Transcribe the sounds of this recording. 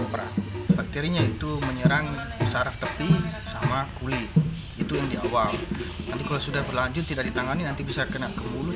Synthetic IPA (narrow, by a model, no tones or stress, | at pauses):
pɾa̰bak̚t̪eɾiɲait̪uməɲəɾaŋ | saɾəft̪əpisamakulɪt̪ | it̪ujaŋdiawalnant̪ikalawsudahbərlaɲd͡ʒʊt̪ːidaʔk̚dit̪aŋaninant̪ibisakənaʔkəmulu